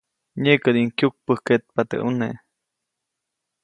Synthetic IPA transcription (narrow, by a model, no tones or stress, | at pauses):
ɲekəd̪iŋkjuk̚pəhket̪̚pat̪ə̰ʔunḛʔ